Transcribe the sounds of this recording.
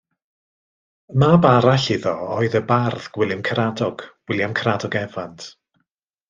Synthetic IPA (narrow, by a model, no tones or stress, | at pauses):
mabaɾaɬɪðɔɔɨðəbarðɡ̥wɪlˠɨmkʰəɾadɔɡ̥wɪlˠjamkʰradɔɡɛvantʰ